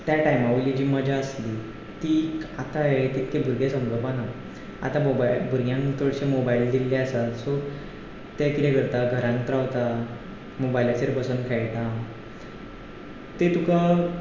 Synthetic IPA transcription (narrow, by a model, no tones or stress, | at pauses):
t̪jaʈajmaʋlid͡ʑiːməd͡ʑaəsli | t̪ikat̪aɦet̪ekebʱuɾɡesə̃mlobana | a̰t̪amobailbʱuɾɡjãŋkt̪ʰoɽɕemobaild̪ilːeəsalso | t̪jakit̪ekəɾt̪aɡʱəɾãŋkt̪ɾaʋt̪a | mobailaseɾbəsənkʰajʈa | t̪et̪uka